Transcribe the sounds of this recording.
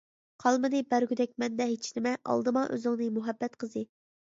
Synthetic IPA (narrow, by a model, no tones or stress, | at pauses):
qʰɑlˠmɨnɨbæɾɡʲyd̪ɛk̚ʲmɛnd̪ɛɦet͡ʃʰnɪmɛʔɑ̰lˠd̪ɨmɑʔø̰zɪŋnɨmuɦɛbːɛt̪qʰəzɨ